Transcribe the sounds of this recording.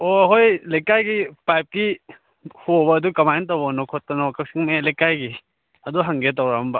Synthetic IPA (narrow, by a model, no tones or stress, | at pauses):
oɦojlejkajɡipajp̚ɡi | hobɐːdukɐmajntawbanɔkʰɔt̚ːɐnɔkak̚siŋmelajkajɡi | ɐduɦaŋɡet̬awɾambɐ